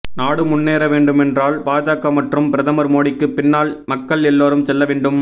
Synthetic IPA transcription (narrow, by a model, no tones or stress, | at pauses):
naːɽɯmʊnːeːɾɐʋeːɳɖɯmɛndraːlpaːd͡ʒaːkɐmɐʈrɯmpɪɾɐðɐmɐɾmoːɽɪkːɯpɪnːaːlmɐkːɐɭɛlːoːɾɯmsɛlːɐʋeːɳɖɯm